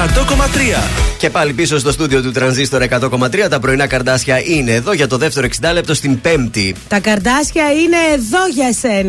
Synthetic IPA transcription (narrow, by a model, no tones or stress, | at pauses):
ɐt̪o̞ko̞mɐt̪ɾiɐce̞pɐlipiso̞st̪o̞st̪ud̪io̞t̪ut̪ɾɐnzist̪o̞ɾɐekɐt̪o̞ko̞mɐt̪ɾiɐt̪ɐpɾo̞inɐkɐɾd̪ɐsçɐʔine̞ːðo̞ʝɐt̪o̞ðeft̪e̞ɾoksind̪ɐle̞p̚t̪o̞st̪imbe̞mt̪it̪ɐkɐɾd̪ɐsçɐine̞ːðo̞ʝɐsen